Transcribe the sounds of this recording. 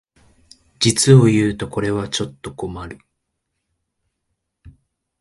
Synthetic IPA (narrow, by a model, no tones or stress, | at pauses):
d͡ʑit͡sɨo̞jɯːt̪o̞ko̞ɾe̞β̞at͡ɕo̞t̪ːo̞ko̞maɾɯ̟